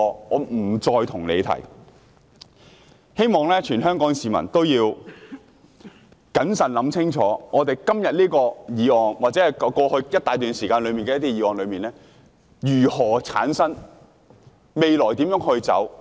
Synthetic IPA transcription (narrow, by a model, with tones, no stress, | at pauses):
ɔː˨˧m̩˨˩t͡ʃɔː˧jt̪ʰʊ˨˩ŋlḛ˨˧t̪ʰɐ̰˨˩j | he˥jmɔː˨ŋlɛː˥t͡ʃʰyː˨˩nɦœː˥ŋkɔː˨˥ŋsiː˨mɐ̰˨˩nt̪o˥wjiː˧w | kɐ˨˥nsɐ˨˩nlɐ˨˧˥mt͡sʰɪ˥ŋt͡ʃʰɔ̰ː˨˥ŋɔː˨˧t̪e˨˩jkɐ˥mjɐ˨t̚liː˥kɔː˧jiː˨˧˥ɔː˨˧ŋwaː˨t̚t͡sɛː˨˥hɐ˨˩jkkɔː˧hɵ˧ɥjɐ˥t̪̚aː˨˧jt̪yː˨nsiː˨˩kaː˧nlɵ˨˧miː˨nkɛː˧jɐ˥t̪iː˥jiː˨˥ɔː˨˧nlɵ˨˧ɥmiː˨nlɛː˥ | jyː˨˩hɔː˨˩t͡sʰaː˨˥nsɐ˥n | me˨jlɔː˨˩jt̪iː˨˥mjœː˨˥ŋhɵ˧ɥt͡sɐ̰˨˥w